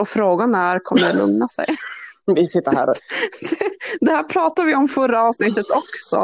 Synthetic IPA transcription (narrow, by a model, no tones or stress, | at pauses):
ɔfɾoːɡanæɾkʰɔmːəjlɵ̰ŋnasɛ̰jvɪsɪt̪ːəɾæ̰ːɾd̪̥ɛd̪ɛhæːɾpʰɾɑːt̪avɪɔmfœɾːaɑːvsnɪt̪ːət̪ɔksɔ̰